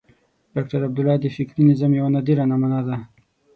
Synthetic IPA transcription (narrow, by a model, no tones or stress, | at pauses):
ɖ̥ɑk̚ʈaɾab̚d̪ʊlɑd̪əfɪkɾinizamjawanad̪iɾanamanad̪a